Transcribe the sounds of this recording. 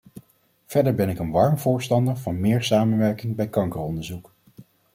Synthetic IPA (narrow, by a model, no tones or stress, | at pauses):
v̥ɛɹdəɹbɛnɪkənʋɑɹmvʊːɹstɑndəɹvɑnmɪːɹsaːmənʋɛɹkɪŋbɛjkɑŋkəɹɔndəɹzuk